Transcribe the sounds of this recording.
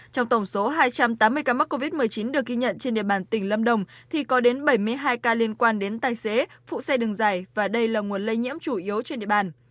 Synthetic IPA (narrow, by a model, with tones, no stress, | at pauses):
t͡ɕɔ˧wŋ͡mt̪ə˧˩wŋ͡mso˨˦ɦaː˧jt͡ɕa˧mt̪aː˨˦mːɨ˧əjkaː˧ma˦˥t̚ko˧vi˦˥t̚mɨ˨˩əjt͡ɕi˨˦nɗɨ˨˩ək̚ːi˧ɲə̰˧˨nt͡ɕe˧nɗḭ˧əɓaː˧˨˩nt̪ï˧˩ŋ̟lə˧mɗə˨˩wŋ͡mt̪ʰi˨˩kɔ˨˦ɗe˨˦nɓə˧˩jmɨ˧əjɦaː˧jkaː˧li˧ənkwaː˧nɗe˨˦nt̪aː˨˩jse˨˦fṵ˧˨sa˧jɗɨ˨˩ŋzaː˨˩jvaː˨˩ɗə˧jlaː˨˩ŋu˨˩ənlə˧jɲḭ˧˥əmt͡ɕu˧˩ʔi˨˦əwt͡ɕe˧nɗḭ˧ə˨ɓaː˨˩n